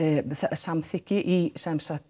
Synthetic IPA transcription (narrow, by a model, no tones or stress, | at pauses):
θasamθɪkɪʔisɛmsat̪